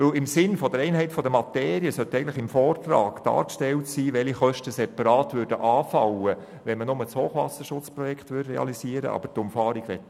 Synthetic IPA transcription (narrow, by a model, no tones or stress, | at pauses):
ʋɵlɪmsɪnfɔdəɾɛɪnɦɛɪtfɔdəmɑteːɾiəsœtːɛɪɡən̩tləχɪmfɔːrtɾɑːɡ̥d̥ɑ̰ːɾkʃtɛltsiːʋɛliχœʃtəsɛpɑɾɑːtʋʏɾdəʔɑːfɑlːə | ʋɛnmənʊmət͡shoːχʋɑ̰səʃʊt͡sprɔjɛkχt̪ʋʏdrɛɑ̰lisiːəɾə̰ʔɑ̰b̥əɾtʊmfɑːɾiɡʋɛtː